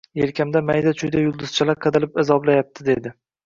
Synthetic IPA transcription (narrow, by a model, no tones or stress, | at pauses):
jelkʲʰamd̪amajd̪at͡ʃʰʊjd̪ajʊlˠd̪ɪz̥t͡ʃʰalaɾqʰɨd̪alɪpɪzɒblajap̚t̪ʰɪd̪e̞d̪ɪ